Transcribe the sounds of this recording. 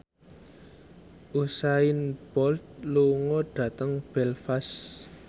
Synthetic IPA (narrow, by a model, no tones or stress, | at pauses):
ʔusaɪnb̥ɔlt̪̚luŋɔɖ̥ä̤t̪əŋb̥ɛlfas